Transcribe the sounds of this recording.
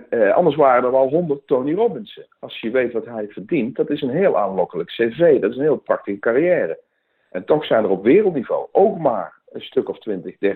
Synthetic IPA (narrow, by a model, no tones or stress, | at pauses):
ʔɑ̰ndəɹs̬ʋaːrənəɹʋɛlˠɦɔndərtːownirɔbɪnsəɑlˠsjəʋejtʋɑtɦɛjv̥ərdint̚dɑtɪsənɦeːlˠʔaːnlɔkələksevejdɑtɪsənɦɪːlˠprɑk̚tixəkarijɛːrə | ʔɛntɔxsɛjnərɔpʋɪːrəlˠtnivo̰wʔowkma̰ːɹ | əstɵkɔftʋɪntəɣdɛr